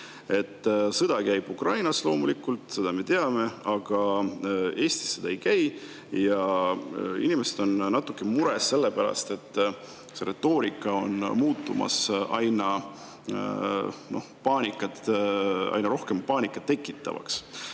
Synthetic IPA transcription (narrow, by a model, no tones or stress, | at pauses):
e̞t̪ːsɤd̪̥ɑkæjb̥ukrɑjnɑslo̞ːmulikːult̪ˑse̞d̪̥ɑme̞t̪e̞ɑme̞ɑɡ̥ɑ | e̞ːst̪i̥sːed̪̥ɑejkæj | jɑ | ḭnimesed̪̥o̞nnɑt̪ːˑukːˑe̞muɾesːe̞lːepæɾɑ̰st̪e̞t̪ː | se̞ɾe̞t̪ːˑo̞ːɾikːˑɑo̞nmuːt̪ːˑumɑ̰sʔɑjnɑ | no̞̰hpɑːnʲikːˑɑt̪ɑ̰jnɑɾo̞hke̞mpɑːnʲikːˑɑt̪ːe̞kːˑit̪ːˑɑ̰vɑ̰ks